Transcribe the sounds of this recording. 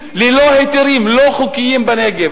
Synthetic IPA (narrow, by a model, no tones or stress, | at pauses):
lilohet̪iɾimloχukijimbaneɡe